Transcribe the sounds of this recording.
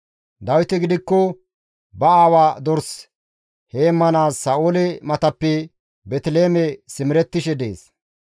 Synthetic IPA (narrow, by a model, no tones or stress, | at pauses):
d̪ɐwɪt̪ɪɡɪd̪ɪkːɔ | bɐaːwaːd̪ɔɾs | heːmːɐnaːsːɐʔoːlɛmɐt̪ɐpːɛ | bɛt̪ɪleːmɛsɪmɪɾɛt̪ːɪʃɛd̪ḛːs